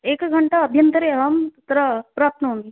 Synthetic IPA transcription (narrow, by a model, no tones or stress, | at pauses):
eːkɡʱɐɳʈaəbʱjənt̪əɾeɦɐmt̪ɾəpɾaːp̚t̪nəɦõːŋɡi